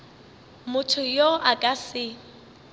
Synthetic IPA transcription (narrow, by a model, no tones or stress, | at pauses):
mʊtʰʊjoʔakʼasɪ